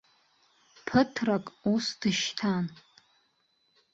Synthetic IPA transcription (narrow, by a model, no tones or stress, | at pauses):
pʰətʰrakʼusd̥ɨʃtʰan